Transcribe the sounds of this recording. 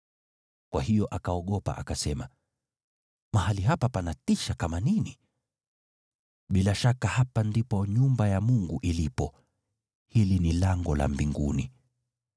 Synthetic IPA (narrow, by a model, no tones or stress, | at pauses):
kwahijɔʔakaɔɠɔpa̰ʔa̰kasɛma | mahaliɦapapanatiʃakamanini | ɓilaʃakahapandipɔɲumbajamuŋɡuʔilipɔ | hilinilaŋɡɔla̰mbiŋɡṵni